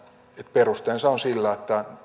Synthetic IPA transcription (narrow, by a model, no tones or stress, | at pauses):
et̪perust̪eːnseonsilːæet̪ːæ